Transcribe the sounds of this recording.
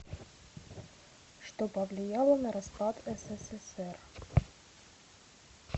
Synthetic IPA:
ʂt̪opɐvlʲɪjalˠənɐɾɐspɑt̪ɛsɛsɛsɛr

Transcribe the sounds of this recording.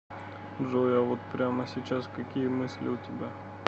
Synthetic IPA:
ʐojavot̪pɾʲaməsʲit͡ɕaskɐkʲijəmɨsʲlʲɪ̰ʊt̪ʲɪbʲa

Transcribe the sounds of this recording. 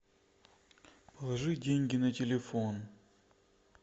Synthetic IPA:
pəlˠɐʐɨdʲenʲɡʲɪnɐtʲɪlʲɪfon

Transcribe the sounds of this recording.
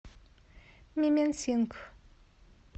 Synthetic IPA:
mimensiŋk

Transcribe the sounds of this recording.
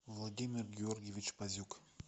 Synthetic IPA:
vlˠad̪ʲimʲɪrɡʲɪorɡʲevʲit͡ɕpazʲuk

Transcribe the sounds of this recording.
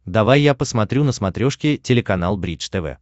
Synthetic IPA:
d̪ɐvajːapəsmɐt̪ɾʲunəsmɐt̪ɾʲoʂkʲɪtʲɪlʲɪkɐnalˠbɾʲit͡ʃt̪ɛvɛ̰

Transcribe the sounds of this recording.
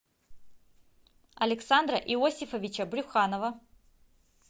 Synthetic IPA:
ɐlʲɪksand̪ɾɐʔiosʲifɐvʲit͡ʃɐbɾʲʊxanovɐ

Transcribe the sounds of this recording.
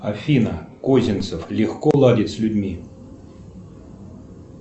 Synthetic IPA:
afʲinəkozʲɪnt̪səflʲɪxkɔlˠadʲɪt̪ʲsʲlʲʊdʲmʲi

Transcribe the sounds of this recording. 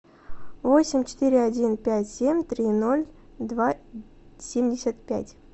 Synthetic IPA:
vo̞sʲɪmʲt͡ɕɪ̥t̪iɾʲɪadʲinpʲætʲsʲemʲt̪ɾʲino̞lʲ | d̪va | sʲemʲdʲɪsʲət̪̚pʲæ̰tʲ

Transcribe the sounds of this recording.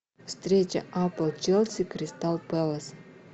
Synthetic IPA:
fst̪ɾʲet͡ɕə̰ʔapəlˠt͡ʃɛlʲˠsʲikɾʲɪst̪alˠpɛlˠəs

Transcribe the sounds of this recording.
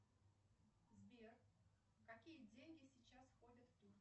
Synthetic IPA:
zbʲer | kɐkʲijədʲenʲɡʲɪsʲɪt͡ɕasfxodʲət̪ft̪ʲur

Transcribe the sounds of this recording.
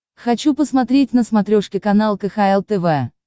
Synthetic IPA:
xɐt͡ɕupəsmɐt̪ɾʲet̚ʲnəsmɐt̪ɾʲoʂkʲɪkɐnalˠkəxaɛlˠt̪ɛvɛ

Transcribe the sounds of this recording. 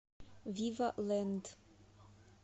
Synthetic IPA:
vivalɛnd̪

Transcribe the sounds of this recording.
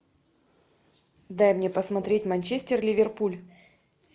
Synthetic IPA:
d̪ajmnʲepəsmɐt̪ɾʲetʲmɐnʲt͡ɕesʲtʲɪrlʲɪvʲɪrpulʲ

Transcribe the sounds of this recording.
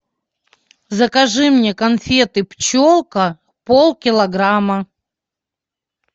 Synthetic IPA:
zɐkɐʐɨmnʲekɐnfʲet̪ɨpt͡ɕolˠkə | polˠkʲɪlˠɐɡɾamə

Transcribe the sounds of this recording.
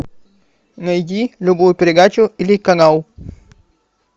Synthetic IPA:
ŋəid͡ʒilubojpeɾeɡat͡ʃoilikaŋaw

